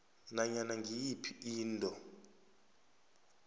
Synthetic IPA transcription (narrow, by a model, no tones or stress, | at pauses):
naɲanaŋɡijipʰiiːntʼɔ